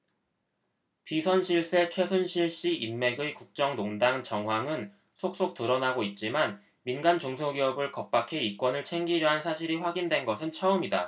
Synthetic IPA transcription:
pisʰʌnɕʰiɭs͈e̞t͡ɕʰwe̞sʰunɕʰiɭɕ͈iʔinme̞ɡɯkuk̚t͡ɕ͈ʌŋnoŋdaŋt͡ɕʌŋɦwaŋɯn | sʰok̚s͈ok̚t͈ɯɾʌnaɡoit̚t͡ɕ͈iman | minɡant͡ɕoŋsʰoɡiʌbɯɭkʌp̚p͈akʰe̞ik͈wʌnɯɭt͡ɕʰe̞ŋɡiɾjʌɦansʰaɕʰiɾiɸwaɡindwe̞nɡʌsʰɯnt͡ɕʰʌɯmida

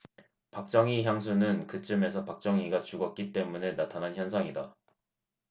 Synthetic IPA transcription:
pak̚t͡ɕ͈ʌŋiçjams̬ʰunɯnkɯt͡ɕ͈ɯme̞sʰʌpak̚t͡ɕ͈ʌŋiɡat͡ɕuɡʌt̚k͈it͈e̞mune̞natʰanançjʌnsʰaŋida

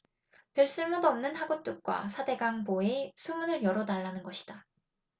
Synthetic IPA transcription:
pjʌɭs͈ɯɭmodoʌmnɯnhaɡot͈uk̚k͈wa̰sʰade̞ɡaŋboe̞sʰumunɯɭjʌɾonaɭːanɯnɡʌɕʰi̥d̥a

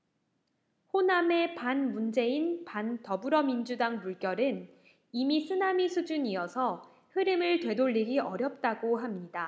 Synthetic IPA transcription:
ɸoname̞panmund͡ʑe̞inpantʌbuɾʌmind͡ʑudaŋmuɭk͈jʌɾɯn | imisʰɯnamisʰud͡ʑuɲiʌsʰʌ | hɯɾɯmɯɭtwe̞doʎːiɡiʌɾjʌp̚t͈aɡoɦamɲida

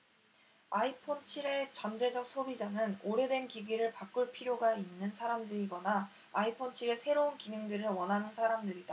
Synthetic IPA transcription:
aipʰont͡ɕʰiɾe̞t͡ɕʌnd͡ʑe̞d͡ʑʌk̚s͈ʰobid͡ʑanɯnoɾe̞dwe̞nkiɡiɾɯɭpak͈uɭpʰiɾjoɡainːɯnsʰaɾamdɯɾiɡʌnaː | ipʰont͡ɕʰiɾe̞sʰe̞ɾounkinɯŋdɯɾɯɭwʌnɦanɯnsʰaɾamdɯɾida

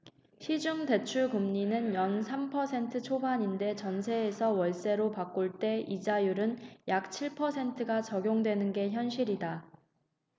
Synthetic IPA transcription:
ɕid͡ʑuŋde̞t͡ɕʰuɭkumɲinɯnjʌnsʰampʰʌsʰe̞ntʰɯt͡ɕʰobaɲinde̞t͡ɕʌnsʰe̞ːsʰʌwʌɭs͈e̞ɾopak͈oɭt͈e̞id͡ʑajuɾɯnjak̚t͡ɕʰiɭpʰʌsʰe̞ntʰɯɡat͡ɕʌɡjoŋdwe̞nɯnɡe̞çjʌnɕʰiɾida

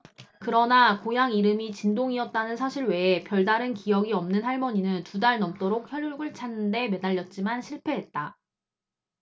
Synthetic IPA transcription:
kɯɾʌnakojaŋiɾɯmit͡ɕindoŋiʌt̚t͈anɯnsʰaɕʰiɾwe̞epjʌɭdaɾɯnkijʌɡiʌmnɯnɦaɭmʌɲinɯntudaɭnʌmt͈oɾok̚çjʌɭjuɭɡɯɭt͡ɕʰanːɯnde̞me̞daʎːʌt̚t͡ɕ͈imanɕʰiɭpʰe̞ɦe̞t̚t͈a

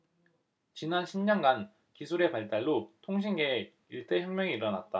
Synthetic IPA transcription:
t͡ɕinanɕʰimɲʌnɡan | kisʰuɾe̞paɭt͈aɭːotʰoŋɕ̬ʰinɡe̞ː | iɭt͈e̞çjʌŋmʲjʌŋiːɾʌna̰t̚t͈a

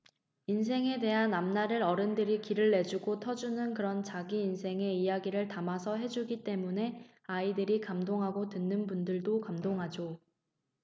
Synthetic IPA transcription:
ins̬ʰe̞ŋe̞de̞ɦanːamnaɾɯɾʌɾɯndɯɾikiɾɯɭːe̞d͡ʑuɡotʰʌd͡ʑunɯnkɯɾʌnt͡ɕaɡiːnsʰe̞ŋe̞ijaɡiɾɯɭtamasʰʌɦe̞d͡ʑuɡit͈e̞mune̞ | aidɯɾikamdoŋɦaɡotɯnːɯnpundɯɭdokamdoŋɦad͡ʑo

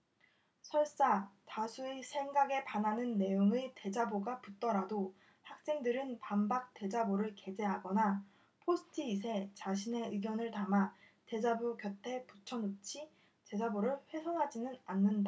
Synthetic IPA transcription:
sʰʌɭs͈atasʰuesʰe̞ŋɡaɡe̞pananɯnːe̞joŋete̞d͡ʑaboɡaput͈ʌɾado | hak̚s͈e̞ŋdɯɾɯnpambak̚t͈e̞d͡ʑaboɾɯɭke̞d͡ʑe̞ɦaɡʌna | pʰosʰɯ̥tʰɯis̬ʰe̞t͡ɕaɕʰine̞ɯɡjʌnɯɭtama | te̞d͡ʑabuɡjʌtʰe̞put͡ɕʰʌnut͡ɕʰi | t͡ɕe̞d͡ʑaboɾɯɭɸwe̞sʰʌŋɦad͡ʑinɯnanːɯnda

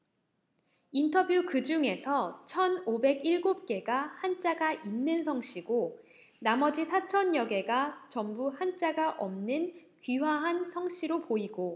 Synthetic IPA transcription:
intʰʌbjukɯd͡ʑuŋe̞sʰʌt͡ɕʰʌnobe̞ɡiɭɡop̚k͈e̞ɡahant͡ɕ͈aɡaʔinːɯnsʰʌŋɕ͈ʰiɡo | namʌd͡ʑisʰat͡ɕʰʌnjʌɡe̞ɡat͡ɕʌmbuhant͡ɕ͈aɡaʔʌmnɯnkɥiwaɦansʰʌŋɕ͈ʰiɾopoiɡo

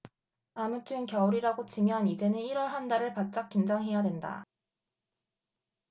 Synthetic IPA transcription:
amut͈ʰɯnkjʌuɾiɾaɡot͡ɕimjʌnid͡ʑe̞nɯniɾʌɭɦandaɾɯɭpat̚t͡ɕ͈ak͈ind͡ʑaŋɦe̞jadwe̞nda̰

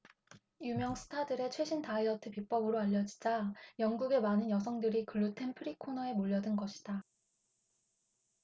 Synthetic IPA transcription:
jumjʌŋsʰɯ̥tʰadɯɾe̞t͡ɕʰwe̞ɕʰintaiʌtʰɯpip͈ʌbɯɾoaʎːʌd͡ʑi̥d͡ʑajʌŋɡuɡe̞manɯnjʌsʰʌŋdɯɾikɯɭːutʰe̞npʰɯɾikʰonʌe̞moʎːʌdɯnɡʌɕʰi̥d̥a

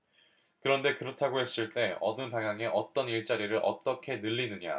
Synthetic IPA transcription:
kɯɾʌnde̞kɯɾʌtʰaɡoɦe̞s͈ɯɭt͈e̞ʌ̰dɯnpaŋɦjaŋe̞ʔʌt͈ʌniɭt͡ɕ͈aɾiɾɯɭʔʌ̰t͈ʌkʰe̞nɯʎːinɯɲa̰

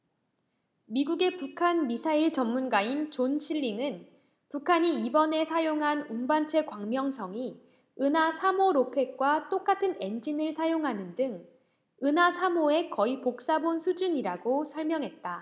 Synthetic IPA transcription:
miɡuɡe̞pukʰanmisʰaiɭt͡ɕʌmːunɡaint͡ɕont͡ɕʰiɭːiŋɯn | pukʰaɲiibʌne̞sʰajoŋɦanunbant͡ɕʰe̞kwaŋmjʌŋsʰʌŋi | ɯnɦasʰamoɾokʰe̞k̚k͈wat͈ok͈atʰɯne̞nd͡ʑinɯɭsʰajoŋɦanɯndɯŋ | ɯnɦasʰamoe̞kʌipok̚s͈abonsʰud͡ʑuɲiɾaɡosʰʌɭmjʌŋɦe̞t̚t͈a

